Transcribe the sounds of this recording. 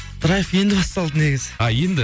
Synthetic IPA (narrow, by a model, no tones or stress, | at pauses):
t̪ʰʊɾɑjəfje̞nd̪ɪbɑst̪ɑlˠd̪əneɡʲɪzɪ̥ɑje̞nd̪ɪ